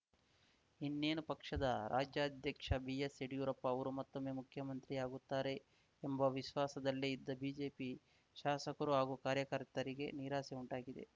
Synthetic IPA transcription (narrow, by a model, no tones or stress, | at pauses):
inːeːnupɐkʂɐd̪ɐɾaːd͡ʒjaːd̪ʱjɐkʂɐbiːjeseɽijuːɾɐpːɐɐʋɐɾumɐt̪ːomːeːmukʰjɐmɐnt̪ɾiaːɡut̪ːaːɾe̞ː | mbɐʋiʃʋaːsɐd̪ɐlːiid̪ːɐbiːd͡ʒe̞ːpi | ʃaːsɐkɐɾuɦaːɡukaːɾjɐkɐɾt̪ɐɾiɡe̞̰niːɾaːseuɳʈaːɡid̪e̞̰